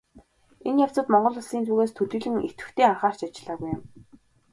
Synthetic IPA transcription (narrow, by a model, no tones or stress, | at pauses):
enjaw̥t͡sə̆t̪mɔɴɢɞ̆ɮʊ̆ɮsiːnt͡s̪ʰuːɣeːst̪ʰɵɮɘ̆ɮɘ̆ŋet̪ɡɘ̆wt̪ʰeːaɴχaːr̥t͡ɕat͡ɕɪ̆ɮaːɣujɪ̆m